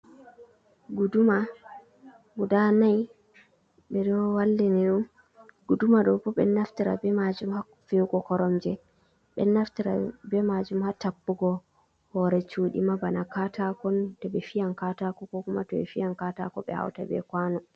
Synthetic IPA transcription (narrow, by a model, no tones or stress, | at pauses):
ɡuduma | wudanaj | ɓɛɗɔwalːɛniɗum | ɡudumaɗɔbɔɓɛ̰nːaftiɾa̰bɛmad͡ʒumha | fewɡɔkɔɾɔmd͡ʒɛ | ɓɛ̰nːaftiɾa̰bɛmad͡ʒumhatapːuɡɔ | hɔɾɛt͡ʃuːɗḭmabanakatakɔntɔɓɛfijankatakɔkɔkuma̰tɔɛ̰fijankatakɔ̰ɓɛ̰ha̰wta̰bɛ̰kwanɔ